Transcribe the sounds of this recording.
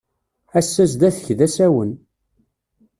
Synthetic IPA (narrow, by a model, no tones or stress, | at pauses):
æsːæsd̪æθəçðæsæwən